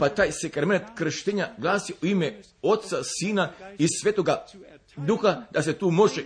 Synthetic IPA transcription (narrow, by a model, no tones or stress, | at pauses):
pat̪aːjsekɾament̪kɾ̩ʃt̪eɲaɡlˠaːsiʔuime | o̞t̪t̪sasiːnaisʋet̪oɡa | d̪uxad̪aset̪uːmo̞ʒe